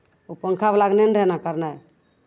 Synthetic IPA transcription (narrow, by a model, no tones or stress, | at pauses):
opəŋkʰablaɡnenɖʱənakəɾnaj